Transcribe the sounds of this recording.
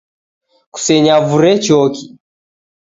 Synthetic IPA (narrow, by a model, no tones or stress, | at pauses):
ku̥sɛɲavuɾɛt͡ʃɔki